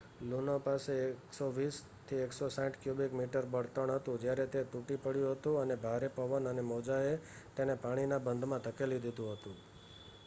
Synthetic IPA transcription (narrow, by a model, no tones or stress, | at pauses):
lunopaseksoʋis | t̪ʰieksosãʈkjubikmiʈəɾbəɽt̪əɳ̃ɦət̪ũd͡ʒjaɾet̪et̪uʈipəɽjũɦət̪ũənebʱaɾepəʋənənemɔd͡ʒaet̪enepaɽ̃inabənd̪ʱmãt̪əkelid̪id̪ũɦət̪ũ